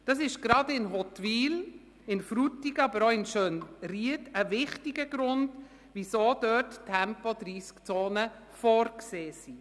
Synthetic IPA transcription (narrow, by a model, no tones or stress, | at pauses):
d̥ɑs̬ɪʃɡ̥ɾɑdɪnɦɔtʋiːl | ɪnfɾutiɡəɑbəɾoɪnʃøːnriətəvɪχtiɡəɡɾʊnd̥ | ʋisoːd̥œttʰːɛmpɔdɾiːskt͡soːnə | fɔːɾkseːsi